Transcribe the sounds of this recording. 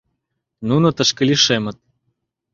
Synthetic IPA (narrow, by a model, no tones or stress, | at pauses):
nunot̪əʃkə̆lʲiʃemə̆t̪̚